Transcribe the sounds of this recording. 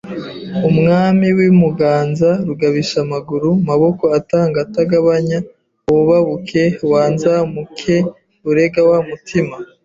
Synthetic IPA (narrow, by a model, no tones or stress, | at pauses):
umŋaːmiwimuɡaːnzaɾuɡaβiʃamaɡuɾumaβo̞ko̞ataːŋɡataɡaβaɲa | oβaβukʰe̞waːnzamukʰe | uɾe̞ɡawamutʰima